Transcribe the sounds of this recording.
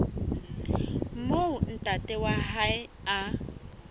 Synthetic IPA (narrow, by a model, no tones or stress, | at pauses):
moun̩tʼatʼɛwahaɪa